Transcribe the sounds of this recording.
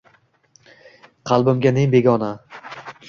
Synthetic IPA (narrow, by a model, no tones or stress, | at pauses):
qʰɑlˠbɪmɡʲaneŋbe̞ɡʲɒna